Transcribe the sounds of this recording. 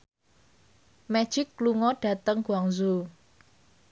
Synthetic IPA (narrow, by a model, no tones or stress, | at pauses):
mɛ̥ʒ̥ɪkːluŋɔɖ̥ä̤t̪əŋɡ̥uaŋzu